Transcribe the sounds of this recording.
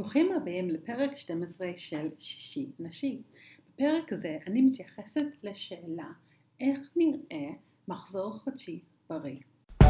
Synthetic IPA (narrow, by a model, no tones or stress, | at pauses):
loχimabeimlepeʁekʃtemesʁeʃelʃi̥ʃinaʃi | b̥epe̞ʁekzeʔanimit̪jaχesetleʃeːla | ʔe̞χniʁʔe̞ | maχzo̞ʁχodʃi | b̥aʁi